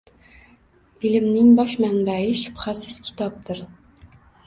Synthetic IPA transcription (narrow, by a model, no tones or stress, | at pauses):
ilɪmnɪŋbɒʃmanbaɪʃʊ̥b̥hasɪz̥kʲʰɪ̥t̪ʰɒp̚d̪ɪɾ